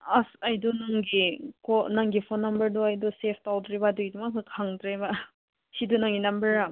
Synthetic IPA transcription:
asajdɔnaŋɡikɔnaŋɡipʰɔnːɐmbɐɾdɔajdɔsepʰtawdɾebadujdumasɯkʰaŋdɾeba | sidunaŋɡinɐmbɐɾa

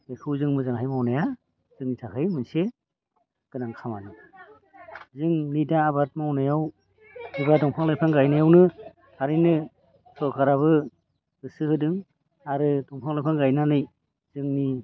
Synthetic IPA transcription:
ekʰɯwzɯŋmɯzaŋhajmawnaja | zɯŋnitʰakʰɯjmɯnse | ɡ̥ɯnaŋkʰamadɯ | zɯŋnidaːbat̚mawnajaw | hiβadɔŋpʰaŋlajpʰaŋɡajnajawnɯ | aɾɯjnɯ | sɔkʰaɾaβɯ | ɯsɯhɯdɯŋ | aɾɯdɔŋpʰaŋlajpʰaŋɡajnanɯj | z̥ɯŋni

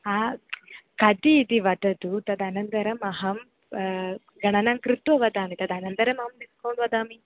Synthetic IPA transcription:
aː | kɐt̪iːt̪iʋɐt̪ɐt̪ut̪ɐd̪ɐnɐnd̪ɐɾɐmɐɦɐm | ɡɐɳɐnɐːŋkɾit̪ʋɐʋɐd̪aːmit̪ɐd̪ɐnɐnd̪ɐɾɐmɐɦɐmniskɐːɳɖʋɐd̪aːmi

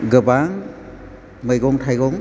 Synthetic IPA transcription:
ɡɯbaŋ | mɯjɡɔŋtʰajɡɔŋ

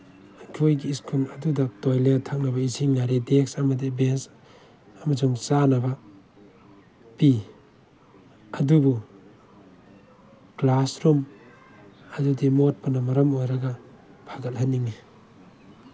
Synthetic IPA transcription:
akʰojɡiːskʰunɐdudak̚tojletʰak̚nɐbɐisʰiŋnaɾideksɐmɐdibens | amɐzuŋt͡ʃanɐbɐ | pi | ɐdubu | klasɾum | ɐdudimot̚panɐmɐɾɐmojɾɐɡa | bʰʱaɡɐlɦanːiŋi

